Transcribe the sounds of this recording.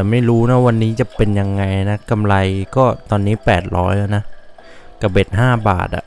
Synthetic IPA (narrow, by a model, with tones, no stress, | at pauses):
t̪ɛː˨˩ma˥˩jɾuː˦˥na˦˥wa˧nːiː˦˥t͡ɕa˨˩pe˧nja˧ŋːa˧jna˦˥ka˧mla˧jkɔː˥˩t̪ɔː˧nːiː˦˥pɛː˨˩t̪̚ɾɔ̰ː˦˥jla˧˩na˦˥ | ka˧˩be˨˩t̪̚ɦaː˥˩ba̰ː˨˩t̪̚ʔa̰˨˩ʔ